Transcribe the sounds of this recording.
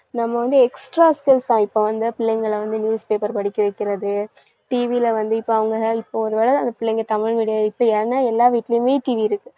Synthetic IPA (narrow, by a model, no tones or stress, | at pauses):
nɐmːɐʋɐnd̪ɯɛksʈɾaːskɪlst̪ãːɪpːoːʋɐnd̪ɯpɪɭːɛŋɡɐɭɐʋɐnd̪ɯnjuːspeːpɐɾpɐɽɪkːɐʋɐɪkːɪɾɐðɯ | ʈiːʋilɐʋɐnd̪ɯɪpːoːɐʋɐŋɡɐɪpːoɔɾɯʋeːɽɐãɐnd̪ɐpɪɭːɛŋɡɐt̪ɐmɪɻŋɐɽɪjaːðɯɪpːoːjaːɾɐnːaːɛlːaːʋiːʈːɪlɐjɯmeːʈiːʋiɪɾɯkːɯ